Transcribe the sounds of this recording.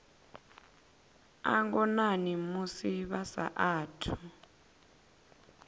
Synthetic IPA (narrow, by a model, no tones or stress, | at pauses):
a̰ŋɡɔnanimusiβasa̰ʔaːtʰu̥